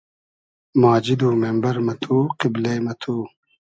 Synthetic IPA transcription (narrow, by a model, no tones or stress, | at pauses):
maːd͡ʑid̪uːmembɐɾmɐt̪ʰuːqibleːmɐt̪ʰuː